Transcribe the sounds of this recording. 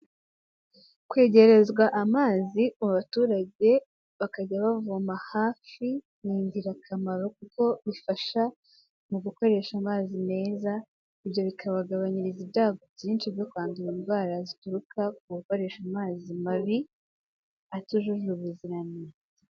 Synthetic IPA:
kwe̞ːɟe̞ɾe̞zɡwaʔamaːziomuβatuːɾaɟe̞ | βakaɟaβavumahaːfi | niːɲdiɾakʰamaɾo̞k̚uko̞βifaʃa | muɡuko̞ɾe̞ːʃamaːzine̞ːza | iβjo̞βikʰaβaɡaβaɲiɾiziβdaːɡobjiːnt͡ʃibjo̞kwaːndiɾiːnvaɾazituɾukʰakuɡuko̞ɾe̞ːʃamaːzimaβi | atuʒuʒuɾuβuziɾane

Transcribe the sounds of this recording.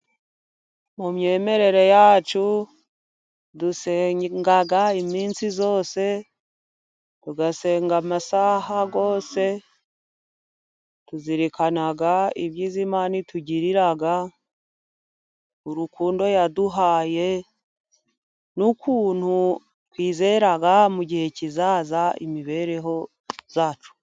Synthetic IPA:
mumɲe̞ːme̞ɾe̞ɾe̞jaːt͡ʃu | duseŋɡaɡaimiːnsizo̞ːse̞ | tuɡase̞ːŋɡamasahaɡo̞ːse̞ | tuziɾikanaɡaiβjiːzimaːnituɟiɾiɾaɡa | uɾukuːndo̞jaduɦaːje̞ | nukuːn̥hu | kwiːzeɾaɡamuɟihe̞cizazaḭmiβe̞ːɾe̞ɦo̞ | z̥aːt͡ʃu̥

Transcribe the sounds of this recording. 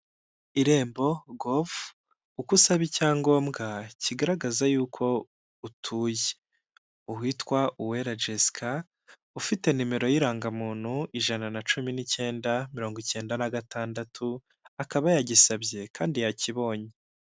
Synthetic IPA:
iɾe̞ːmbo̞ɡov | ukusaβicaːŋɡo̞ːmɡaciɡaɾaɡazajuːkʰo̞ | utʰuːje̥ | uwiːtkwaʔuwe̞ɾad͡ʒeskʰa | ufite̞nime̞ɾo̞jiɾaːŋɡamuːn̥huiʒananat͡ʃuminice̞ːndamiɾo̞ːŋɡice̞ːndanaɡataːndatʰu | akaβajaɟisabje̞kʰaːndijaciβo̞ːɲe

